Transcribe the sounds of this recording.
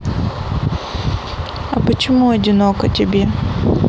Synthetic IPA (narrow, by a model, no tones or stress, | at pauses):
ɐpət͡ɕɪmuɐdʲɪnokɐtʲɪbʲe